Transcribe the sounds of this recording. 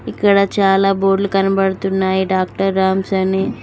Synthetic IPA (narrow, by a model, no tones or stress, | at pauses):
ikːɐɽɐt͡ʃaːlaːboːɖlukɐnɐbɐɽɐt̪unːaːjiɖaːk̚ʈɐɾːaːmsɐne